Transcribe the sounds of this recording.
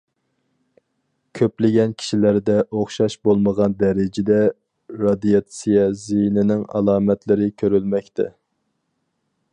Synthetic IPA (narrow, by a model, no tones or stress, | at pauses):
kʲʰøplɪɡʲɛnkʲʰi̥ʃilæɾd̪ɛʔoχʃɑʃbolˠməʁɑnd̪ɛɾɪd͡ʒɪd̪ɛ | ɾɑd̪ijɑt̪sijɛzijnɪnɪŋɑ̰lˠɑːmɛt̪lɪɾɪkʲʰøɾylmɛkʲt̪ʰɛ̰